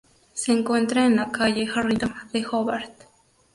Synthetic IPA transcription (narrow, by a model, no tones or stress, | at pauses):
seːŋkwent̪ɾaenakajexarit̪ad̪exobaɾt̪